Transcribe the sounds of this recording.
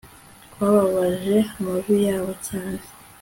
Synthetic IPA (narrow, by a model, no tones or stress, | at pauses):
waːβaβaʒe̞amaβijaːβo̞caːne̥